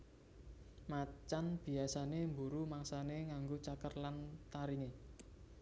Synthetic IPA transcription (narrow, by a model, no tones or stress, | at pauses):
mat͡ʃanb̥i̤asanembuɾumaŋsaneŋaŋɡot͡ʃakərlant̪aɾiŋe